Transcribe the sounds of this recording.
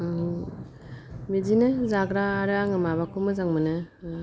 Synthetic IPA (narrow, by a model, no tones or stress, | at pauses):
mizinɯzaɡɾaːɾaŋɯmaβakʰumɯzaŋmɯnɯ